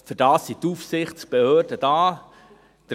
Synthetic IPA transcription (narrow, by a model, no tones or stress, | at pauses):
fɵɾd̥ɑːsːit̪ufsɪχtsb̥ehøːrd̥əd̥ɑː | d̥ə